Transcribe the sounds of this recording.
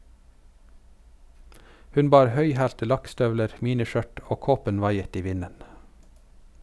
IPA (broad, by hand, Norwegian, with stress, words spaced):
ˈhʉn ˈbɑːɾ ˈhœʏˌhæːltə ˈlɑkˌstœʋləɾ ˈmiːnɪˌʃœʈ ˈoː ˈkoːpən ˈʋɑɪət ˈiː ˈʋɪnən